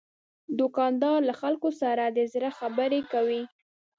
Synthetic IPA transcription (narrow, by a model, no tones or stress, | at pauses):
d̪ʊkɑnd̪ɑɾlaxalkosaɾad̪əzɾaxabəɾekawi